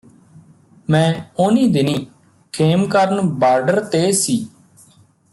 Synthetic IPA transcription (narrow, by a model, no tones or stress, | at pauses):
mɛ̃ːʊniːd̪ɪniː | kʰeːmkəɾənbaːɾɖəɾt̪eːsiː